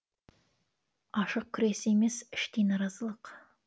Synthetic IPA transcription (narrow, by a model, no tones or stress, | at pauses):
ɑʃəq̚kʲʰʏɾe̞sɪe̞me̞sɪʃt̪ejnɑɾɑzəlˠəq